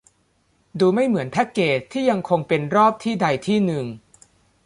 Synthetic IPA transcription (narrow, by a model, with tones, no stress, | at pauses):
duː˧ma˥˩jmɯ˩˦ənpʰɛ˦˥kːeː˨˩t̪ʰːiː˥˩ja˧ŋkʰo˧ŋpe˧nɾɔː˥˩p̚t̪ʰiː˥˩da˧jt̪ʰiː˥˩nɯ˨ŋ